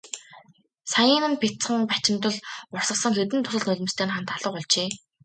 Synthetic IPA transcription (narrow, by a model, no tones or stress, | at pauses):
sajəːnɘ̆npʰet͡sχə̆ŋpat͡ɕɪ̆mt̪ə̆ɮʊr̥sə̆sə̆ŋxet̪̬ɘ̆nt̪ʰʊsə̆ɮnɵɮʲɪ̆mst̪ʰeːnχant̪ʰaɮə̆qɔɮt͡ɕeː